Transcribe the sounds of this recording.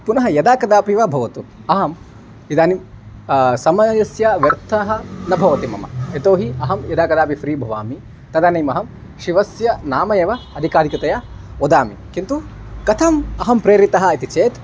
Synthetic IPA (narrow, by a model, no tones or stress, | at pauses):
punɐɦɐjɐd̪aːkɐd̪aːpiʋɐbʱɐʋɐt̪u | ɐɦɐm | id̪aːnim | sɐmɐjɐsjɐʋɐɾt̪ʰɐɦɐ̆nɐbʱɐʋɐt̪imɐ̰mɐ̰et̪oːɦiɐɦɐmjɐd̪aːkɐd̪aːpifɾiːbʱɐʋaːmi | t̪ɐd̪aːnɐjmɐɦɐm | ʃiʋɐsjɐnaːmɐjɐːʋɐɐd̪ʱikaːd̪ʱikɐt̪ɐjɐod̪aːmḭkint̪u | kɐt̪ʰɐmɐɦɐmpɾeːɾit̪ɐɦɐ̆it̪it͡ʃeːt̪